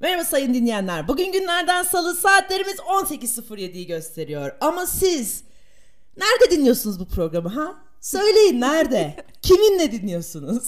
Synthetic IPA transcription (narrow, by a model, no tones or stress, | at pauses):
veɾabasajɯnd̪inlʲijænlʲæɾbuɟynɟynlʲæɾd̪ænsalˠɯsaːt̪ʰlʲe̞ɾimizo̞nse̞cizsːɯfɯɾje̞d̪ijiɟø̞st̪ʰe̞ɾijo̞ɾamasiz | næɾd̪ɛd̪inlʲːijo̞ɾsunuzbupʰɾo̞ɡɾamɯɦa | sø̞jlʲe̞jinːæɾd̪ɛ | cʰiminlʲɛd̪inlːʲijo̞ɾsunuz̥